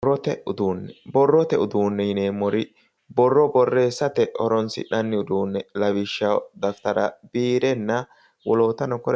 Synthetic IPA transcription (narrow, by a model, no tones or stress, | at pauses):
ɔt̪ɛʊd̪uːnːɛbɔrːɔt̪ɛʊd̪uːnːɛjɪneːmɔɾɪ | bɔrːɔbɔrːe̞ːsːɐt̪ɛʔɔɾɔnsɪ̰ᶑɐnːɪʊd̪uːnːɛlɐwɪʃːɐd̪ɐft̪ɐɾɐ̰biːɾɛnːɐ | wɔlo̞ːt̪ɐnɔkɔɾɛ